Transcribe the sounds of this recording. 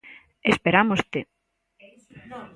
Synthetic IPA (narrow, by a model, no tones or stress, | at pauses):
espeɾamost̪e